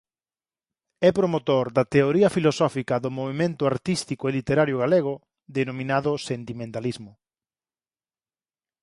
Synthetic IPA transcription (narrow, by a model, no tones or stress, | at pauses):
ɛpɾomot̪oɾd̪ɐt̪eoɾiɐfilosɔfikɐðʊmoβemẽnt̪ʊaɾt̪ist̪ikoelit̪eɾaɾjʊɣaleɣ̞ʊ | ðenomĩnaðʊsent̪imẽnt̪alizmʊ